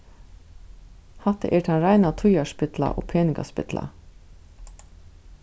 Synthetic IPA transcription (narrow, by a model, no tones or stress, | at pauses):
hɑt̪ə̰ʔɛʈʰɑnɾæɪnat̪ʰʊjaʂpɪt̪la̰ʔo̰ːpʰeːnɪka̰spɪ̰t̪la̰